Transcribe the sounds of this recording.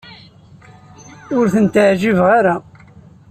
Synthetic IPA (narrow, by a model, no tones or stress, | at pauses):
ʊɾθənt̪əʕʒivʁaɾa